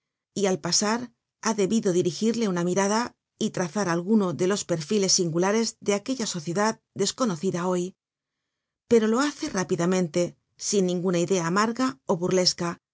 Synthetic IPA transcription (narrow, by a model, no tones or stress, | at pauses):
ialpasaɾ | aðe̞βiðo̞ðiɾixiɾle̞unamiɾaða | it̪ɾaθaɾalɣuno̞ðe̞lo̞spe̞ɾfile̞sːiŋɡulaɾe̞zðe̞ake̞ʎaso̞θje̞ðað | d̪e̞sko̞no̞θiðao̞j | pe̞ɾo̞lo̞aθe̞rapiðamẽnt̪e̞ | sinːĩŋɡunaiðe̞aːmaɾɣao̞βurle̞ska